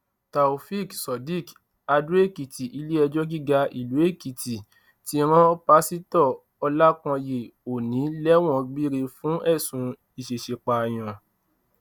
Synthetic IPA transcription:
ta˨u˨fi˦˨ksɔ˨di˦˨k | a˧dɾu˦e˦˨ki˨ti˨ʔi˧˦le˦ɛ˧d͡ʒɔ˦ɡi˦ɡa˧i˨lu˨˦e˦˨ki˨ti˨ | ti˧˦ɾ̃ɔ̃˦pa˦si˦tɔ˦˨ | ɔ˧la˦kɔ̃˧je˨o˨nĩ˨˦lɛ˦w̃ɔ̃˦˨ɡ͡bi˦ɾe˧fũ˨˦ɛ˦˨sũ˨˧ | i˦˨ʃe˨ʃe˨k͡pa˨j̃ã˨

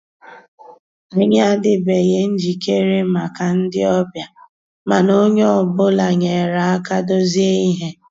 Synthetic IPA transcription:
e˦ɲa˦dɪ˨be˨je˦n̩˦d͡ʒi˨ke˦ɾe˦ma˨ka˨n̩˦dɪ̰˦ɔ˦bja˨ | ma˨no˦ɲe˦ɔ˨bʊ˦la˨ɲe˨ɾa˨a˦ka˦do˦zi˦e˦i˦ɦe˦

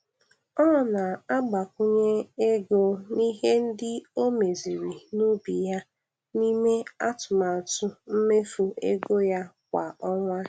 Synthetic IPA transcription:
ɔ˦nɔ˨na˨a˦ɡ͡ba˨kʷʊ˦ɲe˦e˦ɡo˦ni˦ɦe˦n̩˦dɪ˦o˦me˨zi˨ɾi˨nu˦bi˨ja˦ | ni˦me˦a˦tʊ˨ma˨tʊ˦m̩˦me˦fu˨e˦ɡo˦ja˦kʷa˨ɔ˦ŋʷa˦

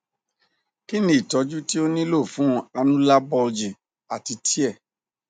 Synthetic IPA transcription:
ki˦nĩ˦i˦˨tɔ˨˧d͡ʒu˦ti˦o˦nĩ˦lo˦˨fũ˨˦a˧nũ˦la˦bɔ˧d͡ʒi˨ | a˨ti˧tʰi˦ɛ˦˨

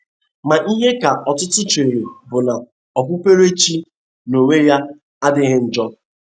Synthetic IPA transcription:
ma˨ʔi˦ɦe˦ka˨ʔɔ˨tʊ˦tʊ˦t͡ʃʊ˨e˨ɾe˨bʊ˨na˨ | ɔ˨kʷʊ˦pe˦ɾe˦t͡ʃi˦ | no˨ŋe˦ja˦ | a˦dɪ˦ɣɪ˦n̩˦d͡ʒɔ˦

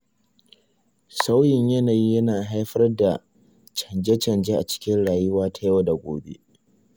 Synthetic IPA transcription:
sa˦wjɪ˨ɲjɐ˦naː˨ji˦jɐ˦naː˨ɦa˦jɸɐ˦rda˨ | t͡ʃɐ˨nd͡ʒɛ˦t͡ʃɐ˨nd͡ʒe˦ʔa˨t͡ʃɪ̥˦kʲɪ˦nɽaː˨jʊ˦waː˦tʰa˦jwa˨˦da˨ɡʷo̰ː˨bḛ˦

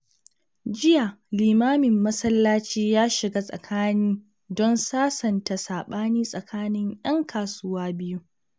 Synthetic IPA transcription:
d͡ʒɪ˦ja˨liː˨maː˦mɪ˨mːɐ˦sɐ˦lːaː˦t͡ʃiː˦jaː˦ʃɪ˨ɡaː˦sʼɐ̰˨kʰaː˦niː˦ | dɔ˦nsaː˦sɐ˨nta˨saː˨ɓaː˦niː˦sʼɐ˨kʰaː˦nɪ˦ŋj̰ɐ˦ŋkʰaː˨sʊ˦waː˦bɪ˦ju˦

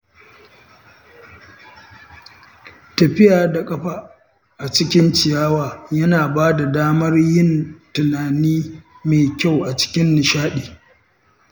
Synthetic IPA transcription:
tɐ˨ɸɪ˦jaː˨da˨kʼɐ˦ɸa˨ | ʔa˨t͡ʃɪ˦kʲɪ˦nt͡ʃɪ˨jaː˦waː˨jɐ˦naː˨baː˦da˨daː˦mɐ˦rjɪ˦ntʊ˨naː˨niː˦ | meː˨kʲa˦˨wʔa˨t͡ʃɪ̥˦kʲɪ˦nːɪ˨ʃaː˦ɗeː˨

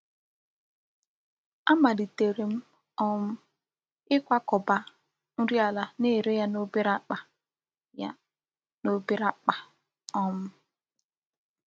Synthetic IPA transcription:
a˦ma˨di˨te˨ɾe˨m̩˦ | ɔ˦m̩˦ | ɪ˦kʷa˦kɔ˨ba˦ | n̩˦ɾi˦a˨la˨ne˦˨ɾe˦ja˦no˦be˦ɾa˦k͡pa˨ | ja̰˦ | no˦be˦ɾa˦k͡pa˨ | ɔ˦m̩˦

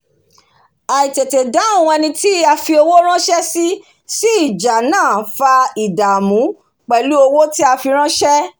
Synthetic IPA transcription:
a˨i˨te˨te˨da˨˦a˦˨w̃ũ˧ɛ˧nĩ˧ti˦a˧fi˧o˧wo˦ɾ̃ã˦ʃɛ˦si˦ | si˦i˦˨d͡ʒa˨nãː˦˨fa˧i˨da˨mũ˨˦ | k͡pɛ˨lu˦o˧wo˦ti˦a˧fi˧ɾ̃ã˦ʃɛ˦

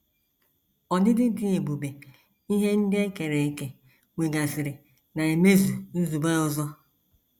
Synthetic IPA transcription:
ɔ˨nɪ˦dɪ˦dɪ˦e˨bu˨be˨ | i˦ɦe˦n̩˦dɪ˦e˦ke˨ɾe˨e˦ke˦ | ŋʷe˨ɡa˨sɪ˨ɾɪ˨ | na˨e˨me˦zu˨n̩˦zu˨be˦ʊ˦zɔ˦

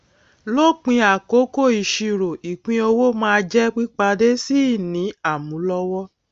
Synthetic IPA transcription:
lo˦k͡pĩ˧a˨ko˨˦ko˦˨i˨ʃi˧˨ɾo˨i˨k͡pĩ˧˦o˧wo˦mãː˦˧d͡ʒɛ˦k͡pi˦k͡pa˧de˦si˦˨nĩ˨˦a˦˨mũ˨˦lɔ˦wɔ˦

